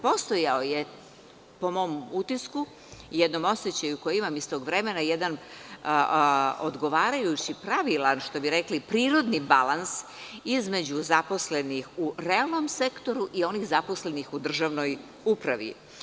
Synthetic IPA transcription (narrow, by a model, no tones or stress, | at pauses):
po̞st̪o̞jaoje̞ | po̞mo̞mut̪isku | jed̪no̞mo̞set͡ɕajukojimamist̪o̞ːɡʋɾe̞me̞najed̪an | od̪ɡo̞ʋaːɾajut͡ɕipɾaʋilˠanʃt̪o̞biɾeklipɾiːɾo̞d̪nibalˠans | izme̞d͡ʑuzapo̞sle̞nixuɾealˠno̞mse̞kt̪o̞ɾuʔio̞nixzapo̞sle̞nixud̪r̩ʒaʋno̞j | upɾaʋḭ